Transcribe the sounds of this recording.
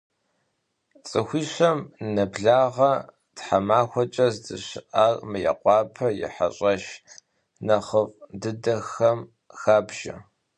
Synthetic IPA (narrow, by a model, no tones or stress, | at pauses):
t͡sʼɨxʷiːɕɐmnɐbɮaːʁɐ | tħamaːxʷɔt͡ʃʼɐzdɨɕɪʔarmɨjɐ̰qʷʼɑːpʰɐjɪ̰ħa̰ɕʼɐʃ | nɐχəfʼdɨdɐxɐm | xaːbʒ̥ɐ̰